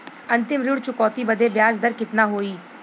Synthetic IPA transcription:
ənt̪ɪmɾʊɽt͡ʃʊkɔːt̪iːbəd̪eːbjaːd͡ʒd̪əɾkɪt̪naːɦoːiː

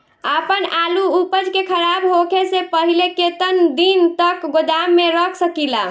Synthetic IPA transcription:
əpənaluupəd͡ʒkekʰəɾabɦokʰesepəɦileket̪ənd̪int̪əkɡod̪amːeɾəkʰsəkila

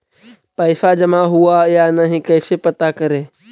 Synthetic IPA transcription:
pəɪsad͡ʒəmãɦʊajanəɦĩkəːsepət̪akəɾeː

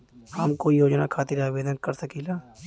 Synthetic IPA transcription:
hɐmkoːijoːd͡ʒnakʰaːt̪iɾaːʋeːd̪ənkɐɾsɐkiːlaː

